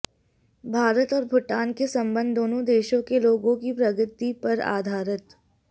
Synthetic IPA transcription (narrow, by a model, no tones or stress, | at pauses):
bʱaːɾət̪ɔːɾbʱʊʈaːnkesɐ̃mbə̃nd̪ːoːnõd̪eːʃõkeloːɡõkipɾɐɡət̪ipɐɾa̰ːd̪ʱaːɾət̪